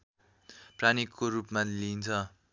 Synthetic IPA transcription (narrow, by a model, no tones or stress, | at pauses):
pranikːoɾupmalint͡sʰʌ